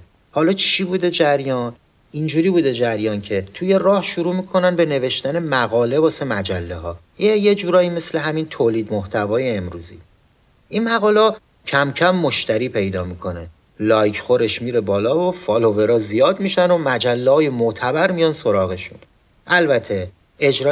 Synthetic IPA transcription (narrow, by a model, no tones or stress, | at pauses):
hɒːlɒːt͡ʃʰiːbuːd̪e̞d͡ʒæɾjɒn | ind͡ʒuːɾiːbuːd̪e̞d͡ʒæɾjɒːncʰe̞t̪ʰuje̞rɒːhʃuɾuːmiːkʰo̞nænbe̞ne̞ve̞ʃt̪æne̞mæɣɒːle̞bɒːse̞mæd͡ʒælːeɦɒː | jejed͡ʒuːɾɒːiːme̞sle̞ɦæmint̪ʰoːliːd̪moht̪ʰævɒːje̞emɾuːzḭ | ʔinmæɣɒːle | cʰæmcʰæmːo̞ʃt̪æɾiːpʰe̞jd̪ɒːmikʰo̞ne̞ | lɒːjcʰxoɾeʃmiɾebɒːlɒːvofɒlove̞ɾɒːzijɒːd̪miːʃænomæd͡ʒælːehɒːjemoʔt̪ʰæbæɾmijɒnso̞ɾɒːɣe̞ʃṵn | ʔælbæt̪ʰe̞ | ed͡ʒɾɒː